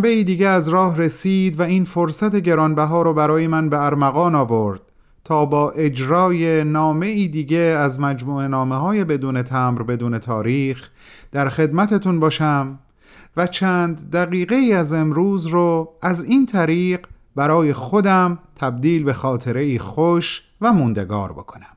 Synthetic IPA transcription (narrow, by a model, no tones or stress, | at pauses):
beiːd̪iːɟeæzɾɒːhre̞siːd̪væiːnfo̞ɾsæt̪e̞ɟe̞ɾɒːnbæɦɒːɾɔːbæɾɒːjemænbe̞æɾmæɣɒːnɒːvo̞ɾd̪̥̚ | t̪ʰɒːbɒːʔe̞d͡ʒɾɒːje̞nɒːme̞iːd̪iːɟe̞æzmæd͡ʒmuːe̞nɒːmeɦɒːje̞be̞d̪uːne̞t̪ʰæːmɾbe̞d̪uːne̞t̪ʰɒːɾiːx | d̪̥æɾxe̞d̪mæt̪ʰe̞t̪ʰunbɒːʃæm | væt͡ʃʰæːnd̪ːæɣiːɣe̞iːæze̞mɾuːzɾoæziːnt̪ʰæɾiːɢ | bæɾɒːje̞xo̞d̪æmt̪ʰæb̚d̪iːlbe̞xɒːt̪ʰe̞ɾe̞iːxoʃ | væmund̪e̞̰ɡɒ̰ːɾbo̞̰kʰo̞næm